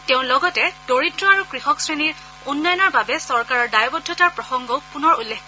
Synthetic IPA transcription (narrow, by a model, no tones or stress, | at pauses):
teʊ̃nlɔɡɔtɛdoɹitɹɔaɹukɹixɔksɹeniɹ | unːɔjɔnɔɹbabɛsɔɹkaɹɔɹdajɔbɔdʱːɔtaɹpɹɔxɔŋɡɔpunɔɹulːek